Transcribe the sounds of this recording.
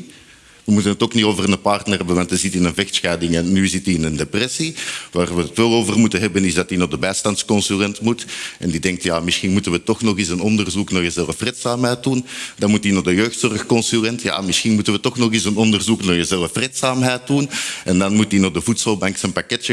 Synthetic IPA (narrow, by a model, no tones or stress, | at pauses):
ʋəmutənətoːknitoːvərnəpartnərɦɛbənʋɑntəzɪtɪnənvɛxtsxɛːdɪŋɛnnyzɪtiɪnəndeprɛsiʋaːrʋəətʋɛlˠoːvərmutənɦɛbənɪzdɑtinɔdəbɛːstɑntskɔnsyrɛntmutɛndidɛŋk̚tjaːmɪsxinmutənʋətɔxnɔxisənɔndərzuknɔχjəzɛlˠfreːtsaːmɦɛjt̚dundɑnmut̚dinɔɣdəjøːxtsɔrxkɔnsyrɛntja̰ːmɪsxinmutənʋətɔxnɔxisənɔndərzuknajəzɛlˠəfreːtsaːmɦɛjt̚dunɛndɑnmut̚dinɔxdəvutsəlˠbaŋksənpakɛtjə